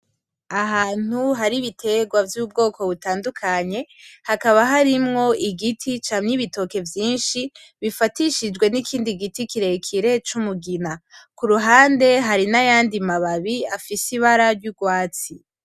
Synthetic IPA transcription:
aɦaːn̥uɦaɾiβitʰe̞ɡwavjuːb̚ɡo̞ːko̞βutaːndukʰaɲe̞hakaβaɦaɾimŋo̞iɡitʰit͡ʃaːmɲiβito̞ke̞vjiːnʃi | βifatiʃid͡ʒɡwe̞nikʰiːndiɡitikiɾe̞kʰiɾe̞t͡ʃumuɡinakuɾuɦaːnde̞ɦaɾinajaːndimaβaβiafisiβaɾaɾɟuɡwaːt͡si

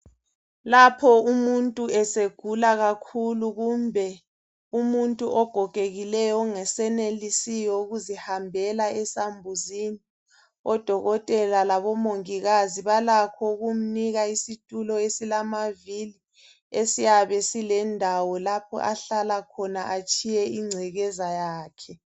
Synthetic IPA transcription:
lapʰɔumuntʼuɛseɡ̥ʱulaɣakʰuluɣumbʱɛ | umuntʼuʔɔɡ̥ʱɔkʼeɣilɛjɔŋɛsɛnelisijɔuɣuzihambʱɛlaɛsambʱuzini | ɔd̥ʱɔɣɔtʼɛlalaβɔmoŋiɣaziβalakʰɔuɣum̩niɣaisitʼulɔesilamavili | esijaβɛsilɛndʱawɔlapʰɔ̰ʔaɬalakʰɔnaʔat͡ʃʼʰijɛiŋ͡ǀʱɛɣɛzajaːkʰɛ

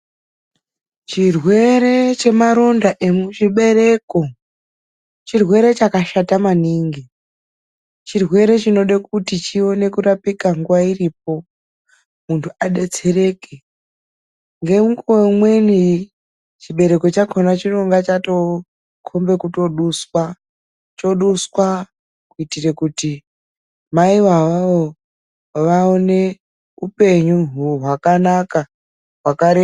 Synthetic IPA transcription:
t͡ʃirwe̞ɾet͡ʃe̞maɾo̞ndaʔemut͡ʃiɓe̞ɾe̞ko̞ | t͡ʃirwe̞ɾe̞t͡ʃakaʃatamaniːŋɡi | t͡ʃirwe̞ɾe̞t͡ʃino̞ɗak̚utit͡ʃio̞ne̞kuɾapikaŋɡuʋairip̚o̞ | muntʰuaɗe̞t͡se̞re̞ke | ŋɡe̞muŋɡuomwe̞ni | t͡ʃiɓe̞ɾe̞ko̞t͡ʃakʰonat͡ʃiroŋɡat͡ʃato̞ | kʰombe̞kuto̞ɗuswa | t͡ʃo̞ɗuswa | kuitire̞kuti | maiʋaʋao | ʋaone̞ | upe̞ɲuɦuɦwakanaka | ɦwakaɾe

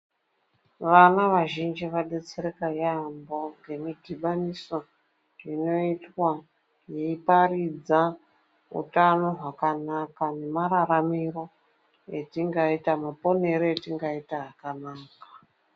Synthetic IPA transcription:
ʋanaʋaʒind͡ʒiʋaɗe̞t͡seɾekajambo̞ŋɡe̞midʱiɓaniso̞ | ino̞itwa | jeiparid͡za | ṵtano̞ɦwakanakane̞maɾaɾamiro̞ | etiŋɡaitamapo̞ne̞ɾoetiŋɡaitaɦakanaːka

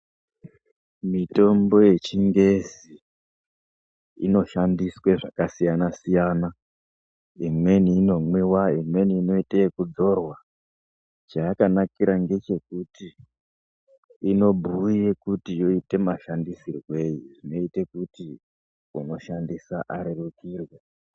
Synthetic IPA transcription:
mito̞mbo̞je̞t͡ʃiŋɡe̞zi | no̞ʃandisweʐakasijanasijana | imwe̞niːno̞mwewaimwe̞niːno̞iteekud͡zo̞rwa | t͡ʃaakanakiɾaŋɡe̞t͡ʃe̞kuti | no̞bʱuje̞kutijo̞ite̞maʃandisirwe̞jiʐino̞ite̞kuti | uno̞ʃandisaʔaɾerukiːrwe

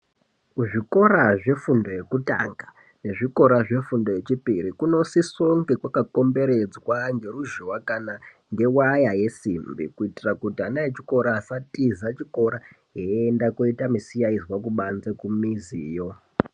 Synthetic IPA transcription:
ʐiko̞ɾaʐe̞fundo̞je̞kuta̰ŋɡa | ne̞ʐiko̞ɾaʐe̞fundo̞je̞t͡ʃipiɾikuno̞sisoŋɡekwakako̞mbe̞ɾe̞d͡zwaŋɡe̞ɾuʒuwakana | ŋɡe̞wajaje̞simbḭkuitirakutianaet͡ʃiko̞ɾaːsatizat͡ʃiko̞ɾa | ɦeendakoitamisijaizwak̬uɓanzekumiziːjo̞

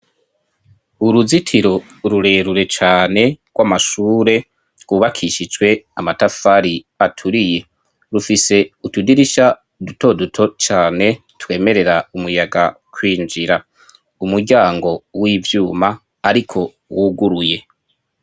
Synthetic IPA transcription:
uɾuzitʰiɾo̞ | ɾuɾe̞ːɾuɾe̞t͡ʃaːne̞ɡ̥wamaʃuːɾe̞ | ɡ̥uβakʰiʃid͡ʒwe̞amatafaɾi | atʰuɾije̞ | ɾufise̞utudiɾiʃa | duto̞dutʰo̞t͡ʃaːne̞ | twe̞ːme̞ɾeɾaumujaɡa | kʰwiːnd͡ʒiɾa | umuɾɟaːŋɡo̞wiːvjuːmaː | ɾikʰo̞ | wuɡuɾuje̞

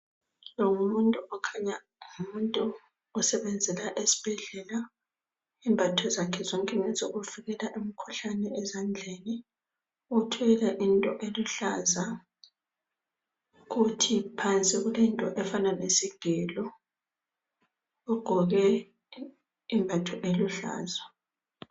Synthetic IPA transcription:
loŋumuntʼuʔɔkʰaɲa | umuntʼuː | sɛβɛnd͡zʱɛlaʔesi̥b̥ʱɛɮɛla | iːmbʱatʰɔzakʰɛzɔŋkʼɛŋɛzoɣuviɣɛlaʔemikʰuɬanɛɛzand͡ɮʱeni | utʰɔɛlɛʔintʼɔʔeluɬaza | ɣutʰipʰant͡sʼiɣulintʼɔʔɛfananesiɡ̥ʱɛlɔ | uɡ͡ǃ̥ʱɔɣɛ | imbʱatʰɔʔeluɬa̰ːza

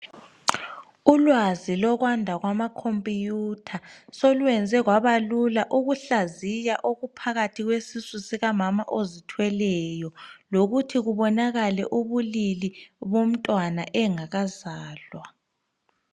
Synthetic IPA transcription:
ulwazilɔɣwandʱaɣwamakʰompʼijuːtʰasolwɛnd͡zʱɛɣwaβalulaʔuɣuɬazijaʔoɣupʰaɣatʰiɣwesisusiɣamama̰ʔozitʰwɛlɛjɔloɣutʰiɣuβɔnaɣalɛ̰ʔuβuliliβom̩tʼwanaʔɛŋaɣazaːlwa

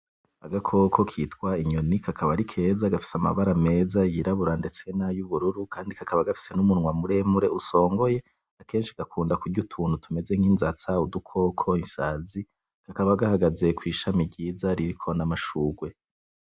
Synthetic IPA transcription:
aɡakʰo̞kʰo̞kʰiːtkwaiɲonikʰakʰaβaɾikʰe̞ːzaɡafi̥sama̰βaɾame̞ːzajiɾaβuɾande̞t͡se̞najuβuɾuɾukʰaːndikakʰaβaɡafi̥se̞numunŋwamuɾe̞muɾe̞uso̞ːŋɡo̞je̞ | ake̞ːnʃi̥ɡ̥akuːndakuɡɟutʰuːnhutʰume̞ze̞ŋ̥hinzat͡saudukʰo̞ːkʰo̞insaːzi | kakaβaɡahaɡaze̞kwiːʃamibɟiːzaɾiɾikʰo̞namaʃuːɡwe̞

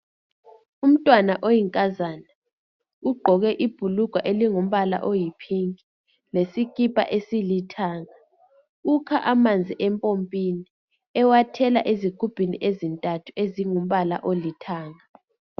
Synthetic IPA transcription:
um̩tʼwanaʔojiŋkʼazana | uɡ͡ǃʱɔɣɛʔib̥ʱuluɡ̥ʱaʔeliŋum̩βala̰ʔojipʰiŋi | lesikʼipʼa̰ʔesilitʰaːŋa | ukʰaʔamand͡zʱiʔɛmpʼompʼini | ɛwatʰɛla̰ʔeziɡ̥ʱub̥ʱiniʔezintʼatʰueziŋum̩βala̰ʔolitʰaːŋa

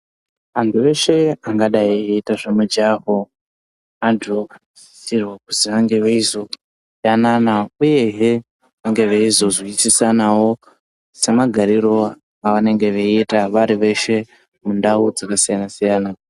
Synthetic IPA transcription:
antʰuʋe̞ʃe̞aŋɡaɗaieitaʐemud͡ʒaɦo | andʰua | iisirwakuziʋaŋɡe̞ʋeizo̞ | sijananauje̞ɦe | ʋaŋɡe̞ʋeizo̞ziisisanawo̞ | se̞maɡʱaɾiɾo̞ | aʋane̞ŋɡe̞ʋeitaʋaɾiʋe̞ʃe̞ | mundaud͡zakasijanasijaːna

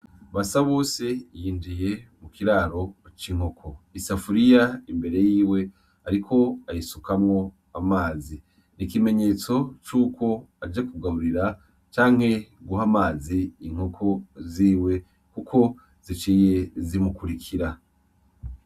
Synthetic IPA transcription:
βasaβo̞ːse̞jiːndije̞mukiɾaːɾo̞t͡ʃiŋ̥o̞kʰo̞isafuɾijaimbe̞ɾe̞jiːwe | aɾikʰo̞ajisukamŋo̞ | amaːzi | nikime̞ɲe̞t͡so̞t͡ʃuːkʰo̞ad͡ʒekuɡaβuɾiɾa | t͡ʃaːŋhe̞ɡuɦamaːziːŋ̥hokʰoziːwe̞ | kukʰo̞ | z̥it͡ʃiːje̞zimukuɾikʰiɾa

